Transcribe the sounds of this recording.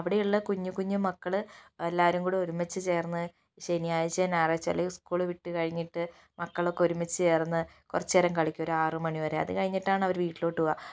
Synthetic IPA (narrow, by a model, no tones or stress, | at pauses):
ɐʋiɽejiɭːɐkuɲːukuɲːumɐkːɐɭɨelːaːʋɐɾuŋkuːɽeo̞ɾumːɐt͡ɕːɨt͡ɕe̞ːrnːɨ | ɕenijaːjɐt͡ɕːɐnaːrɐt͡ɕːɐ̰lːɐjuskuːɭɨʋiʈːɨkɐɻiɲːiʈːɨ | mɐkːɐɭo̞kːeo̞ɾumɐt͡ɕːɨt͡ɕe̞ːrnːɨ | kurɐt͡ɕːeɾɐŋkɐɭikʲːuo̞ɾuaːrɨmɐɳiʋɐreɐ̰ðɨkɐɻiɲːiʈːaːɳɐʋɐɾʋiːʈːilo̞ːʈːuɣɐ